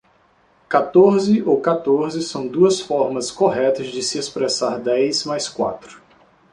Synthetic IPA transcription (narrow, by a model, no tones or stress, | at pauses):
kat̪oɾzɪʔowkat̪oɾzɪsɐ̃w̃d̪uɐsfɔɾmɐskoɦɛt̪ɐzd͡ʒɪsɪespɾesaɾd̪ɛjsmajskwa̰t̪ɾʊ